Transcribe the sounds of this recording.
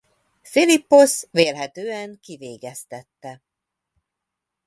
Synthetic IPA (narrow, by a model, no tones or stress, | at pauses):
filipːo̞sʋeːlɦɛt̪øːɛŋkiveːɡɛst̪ɛt̪ːɛ